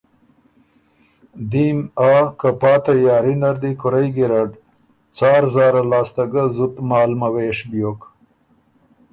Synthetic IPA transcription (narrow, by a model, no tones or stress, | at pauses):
d̪imaːkapɑːt̪ajɑːɾinaɾd̪ikʊɾajɡiɾaɖ | t͡sɑːɾzɑːɾalɑːst̪aɡazut̪mɑːlmaweːʂbjoːk